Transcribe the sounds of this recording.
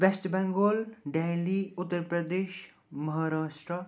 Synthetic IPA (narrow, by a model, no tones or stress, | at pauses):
ʋesʈbɛ̃ŋɡoːlɖeːliʊt̪ːəɾpɾəd̪eːʃ | məɦaɾaːʃʈɾə